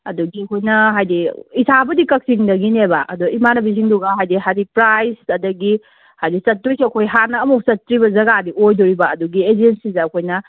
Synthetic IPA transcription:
ɐ̰duɡiɐkʰojnɐɦajdiisʰabɐdikɐk̚siŋdɐɡinebaʔɐ̰duimanɐbis̬iŋduɡaɦajdiɦajdipɾajsɐdɐɡi | hajdisɐtːujsiɐkʰojɦanɐːmuk̚sɐtːɾibɐzɐɡadiojdoɾibɐɐduɡied͡ʒensizɐːkʰojnɐ

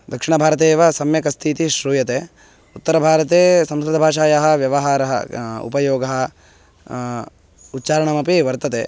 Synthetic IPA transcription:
d̪ɐkʂiɳɐbʱaːɾɐt̪̬eːʋɐsɐmjɐkɐst̪ʰiːt̪iʃɾuːjɐt̪eː | ut̪ːɐɾɐbʱaːɾɐt̪eːsɐ̃mskɾɪt̪ɐbʱaːʂaːjɐɦɐ̆ʋjɐʋɐɦaːɾɐɦɐ̰ṵpɐjoːɡɐɦɐ̆ | ut̪ːt͡ʃaːɾɐɳɐmɐpiʋɐɾt̪ɐt̪ḛː

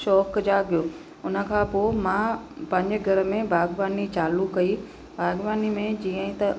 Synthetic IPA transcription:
ʃɔːkd͡ʑaːɡijoː | ʊnə̆kʰãːpoːmãːpɐ̃ɲd͡ʑɡʱɐɾəmẽbʱaːɡʋaːnit͡ɕaːlukɐi | bʱaːɡʋaːnimẽd͡ʑiːə̃ɦĩt̪ɐ

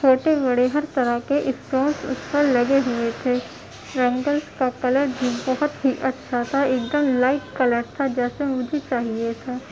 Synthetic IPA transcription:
t͡ʃʰoːʈebɐɽeɦɐɾt̪ɐɾəkeʔɪsʈõːnsʊ̰spəɾlɐɡeɦʊet̪ʰeː | ɾɐ̃ŋɡəlskakɐləɾbʱibɐɦʊt̪ɦiʔɐtːʃʰat̪ʰaeːk̚d̪əmlaːɪʈkɐləɾt̪ʰad͡ʒɛːsemʊd͡ʒʱet͡ʃaːɦiet̪ʰaː

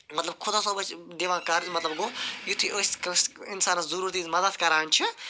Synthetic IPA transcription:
mɐt̪lɐb̚kʰʊd̪aːsobɐt͡ʃd̪eːʋãːkɐɾmɐt̪lɐbɡojut̪ʰiʔəsʲkɐsʲɪnsaːnɐzɐɾuːɾt̪izmɐd̪ɐd̪kɐɾaːnt͡ʃʰi

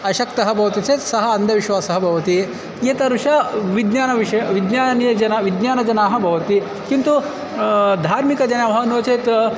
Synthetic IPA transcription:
ɐɕɐkt̪ɐɦɐbʱɐʋɐt̪it͡seːt̪sɐɦɐɐnd̪ʱɐʋiʃʋaːsɐɦɐbʱɐʋɐt̪i | jet̪ɐɾuʂɐʋid̪njaːnɐʋiɕɐjɐʋid̪njaːnjɐd͡ʒɐnaʋid̪njaːnɐd͡ʒɐnaːɦɐ̆bʱɐʋɐt̪i | kint̪u | d̪ʱaːɾmikɐd͡ʒɐnamɦɐnoːt͡seːt̪

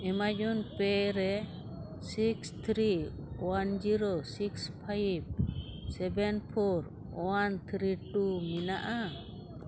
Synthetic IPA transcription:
ɛmad͡ʒɔnpɛɾɛ | sikst̪ʰɾi | wand͡ʒiɾosikspʰajb̚sɛbɛnpʰɔɾ | want̪ʰɾiʈuminaʔa

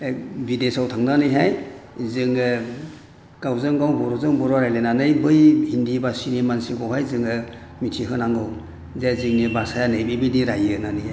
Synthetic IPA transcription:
bidesawtʰaŋnanɯjɦajzɯŋɯ | ɡ̥awzɯŋɡawbɔɾɔzɯŋbɔɾɔɾajlenanɯjbɯjhindibasinimansikɔwɦajzɯŋɯ | mitʰiɦɯnaŋɡɯw | zazɯŋnibasajanɯjbibidiɾajnanɯjɦaj

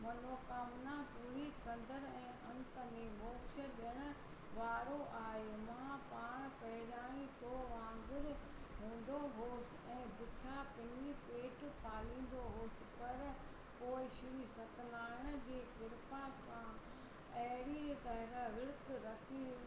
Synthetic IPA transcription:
mɐnoːkaːmnapuːɾikɐ̃nd̪əɾɛ̃ːʔɐ̃nt̪əmẽmoːt͡ʃʰə̆ɗjəɽ̃ʊ̆ | ʋaːɾoʔaːɦemaãpaːɽ̃pɐɦɪɾaːɽ̃it̪oʋãːŋɡ̪ɪɾ | ɦũːn̆d̪oɦoːsɪ̆ɛ̃ːbʊt̪ʰapɪnipeːʈpaːlĩːn̆d̪oɦoːsɪ̆pɐɾ | koːɪʃɪɾisɐt̪laːɪɽ̃ə̆d͡ʑeːkɪɾpasã | ɐɦɾit̪ɐɦɪɾaʋɪɽt̪ɾɐkʰi

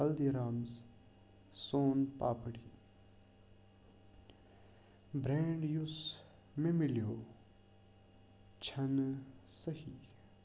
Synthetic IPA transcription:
ɐld̪iɾaːmz | soːnpaːpɽi | bɾẽːɳɖjus | mẽmɪljoː | t͡ʃʰɐnsəhi

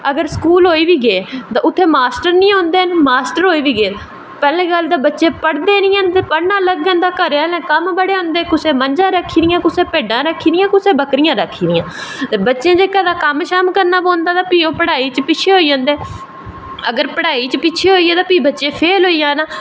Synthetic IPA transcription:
əɡəɾskuːlɦoːiːʋiːɡeːt̪ãːʔʊt̪ʰːeːmaːsʈəɾnĩːɦõːnd̪eːənmaːsʈəɾɦoːiːʋiːɡeː | pɛːlẽːɡəld̪aːbətːʃẽːpəɽd̪eːnĩːə̃nd̪eːpəɽnãːləɡə̃nd̪aːkəɾaːlẽːkəmbəɽeːɦõːnd̪eːkʊsẽːməɲd͡ʒãːɾəkʰːiːɾɪjãːkʊsẽːpeːɖãːɾəkʰiːdɪjãːkʊsẽːbəkɾɪjãːɾəkʰːiːd̪ɪjãːbətːʃẽːd͡ʒeːkãːd̪aːkəmʃaːmkəɾnaːpõːnd̪aːt̪ãːpiːõːpəɽaːiːt͡ʃpɪt͡ʃʰeːɦoːiːd͡ʒãːnd̪eː | əɡəɾpəɽaːiːt͡ʃpit͡ʃʰeːɦoːiːeːt̪ãːpiːbətːʃẽːpʰeːlɦoːijãːnaː

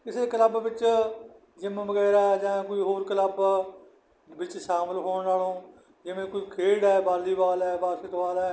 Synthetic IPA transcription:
kɪseːkələbʋɪt͡ʃ | d͡ʒɪmʋəɡɛːɾaːd͡ʒãːkoiːɦoːɾkələb | bɪt͡ʃʃaːməlɦoːɳnaːlõː | d͡ʒɪʋẽːkoiːkʰeːɽɛːbaːliːbaːlɛːbaːsɪt̪ʋaːlɛː

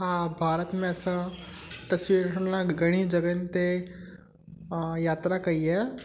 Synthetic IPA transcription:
ɦãbʱaɾət̪mẽəsət̪əsʋiɾʈʰəɳlaɡəɽ̃iːd͡ʒəɡənt̪e | jat̪ɾakaie

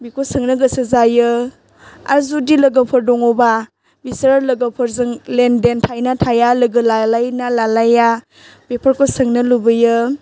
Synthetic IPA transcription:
bikʰosɯŋnɯɡɐsɯzajɯ | aɾzudilɐɡɐpʰɯɾdɔŋɔba | bisɐɾalɐɡɐpʰɯɾzɯŋlendentʰajnatʰajalɯɡɯlalajnalalaja | bepʰɐɾkʰosɯŋnɯlubɯjɯ

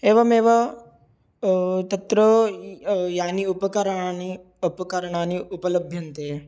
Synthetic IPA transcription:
eːʋɐmeːʋɐ | t̪ɐt̪ɾo | jaːniʊpɐkɐɾɐaːni | ɐpɐkɐɾɐɳ̃aːniʔʊpɐlɐbʱjɐnt̪eː

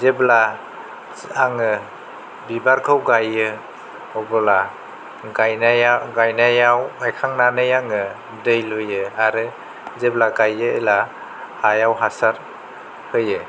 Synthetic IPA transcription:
zebla | aŋɯ | bibaɾkʰɯwɡajɯ | ɔbɔla | ɡajnajaɡajnajawajkʰaŋnanɯjaŋɯ | dɯjlojɯaɾɯ | zeblaɡajɯela | hajawɦasaɾ | hɯjɯ

